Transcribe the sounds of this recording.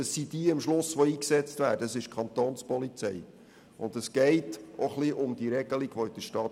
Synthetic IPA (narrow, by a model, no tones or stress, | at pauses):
əsːid̥iːɪmʃlʊsʋoiːksɛt͡stvæːɾdəsɪʃkʰɑnt̪oːnspɔlit͡sɛ̰ɪ | ʊndəsɡ̥ɛɪtoχliʔʊmdiəɾɛɡəliɡ̥ʋoɪd̥əʃtɑː